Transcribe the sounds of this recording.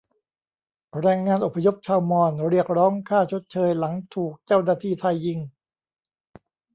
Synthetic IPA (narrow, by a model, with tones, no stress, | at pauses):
ɾɛː˧ŋːaː˧nʔo˨˩pʰːa˧jo˦˥p̚t͡ɕʰaː˧wmɔː˧˩nɾi˥˩ək̚ɾɔː˦˥ŋkʰaː˥˩t͡ɕʰo˦˥t̪̚t͡ɕʰɤː˧jla˩˦ŋt̪ʰuː˨˩k̚t͡ɕaː˥˩wnaː˧˩t̪ʰiː˧˩t̪ʰa˧jːi˧ŋ